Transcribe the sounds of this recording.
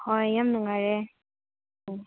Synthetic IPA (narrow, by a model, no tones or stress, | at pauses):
kʰɔjamnaŋaɹe